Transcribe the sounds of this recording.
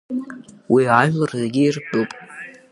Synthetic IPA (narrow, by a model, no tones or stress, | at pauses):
wʔiaʒᶣlarzeɡʲɪirbupʼ